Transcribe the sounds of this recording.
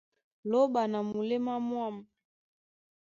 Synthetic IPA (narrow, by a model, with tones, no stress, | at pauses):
lɔ˦ɓa˨na˨mu˨lɛ˦ma˦mwa˦˨ma˨